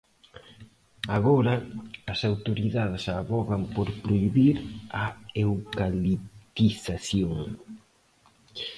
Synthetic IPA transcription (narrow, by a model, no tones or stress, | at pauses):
aɣɔɾɐːsawt̪oɾiðaðesaβɔɣampoɾpɾoiβiɾaewkalit̪iθaθjoŋ